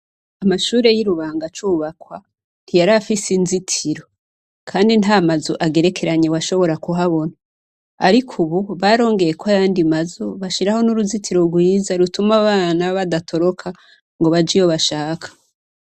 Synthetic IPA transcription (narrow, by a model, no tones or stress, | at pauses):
amaʃuːɾe̞jiɾuβaːŋɡat͡ʃuːβakwa | n̥ijaɾafisinzitʰiɾo̞ | kʰaːndinamazoʔaɡe̞ɾe̞kʰe̞ɾaɲewaʃo̞βo̞ɾakuɦaβo̞na | a̰ɾikʰuβuβaɾo̞ːŋɡe̞jekoajaːndimazoβaʃiɾaho̞nuɾuzitʰiɾo̞ɾɡwiːzaɾutumaβaːnaβadatʰo̞ɾo̞kʰa | ŋɡo̞βad͡ʒijo̞βaʃaːkʰḁ